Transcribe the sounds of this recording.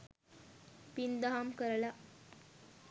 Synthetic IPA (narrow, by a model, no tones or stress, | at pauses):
pind̪aɦamkəɾla